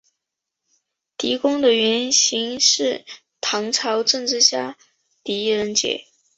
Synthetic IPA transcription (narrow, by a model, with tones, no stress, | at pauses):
t̪i˧˥kʊ˥ŋd̪ə˨ɥɛ˧˥nɕi˧˥ŋʂɻ̩˥˩ | t̪ʰɑ˧˥ŋʈ͡ʂʰɑ˧˥ʊʈ͡ʂɤ˥˧ŋʈ͡ʂɻ̩˥˧ɕja˥˩ | t̪i˧˥ɻə˧˥nt͡ɕjɛ̰˨˩˦